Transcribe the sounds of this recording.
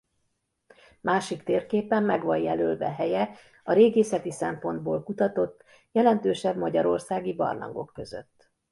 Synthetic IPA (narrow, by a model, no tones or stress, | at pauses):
mʔaːʃikt̪eːrkeːpɛmːɛɡʋɒjjɛløːlvɛ̰ɦɛjɛ | ɒɾeːɡeːsɛt̪isɛmpo̞nd̪̚boːlkut̪ɒt̪o̞t̪ː | jɛlɛnt̪øːʃɛbmɒɟɒɾo̞rsaːɡibɒ̰rnɒ̰ŋɡo̞̰kːø̞zø̰t̪ː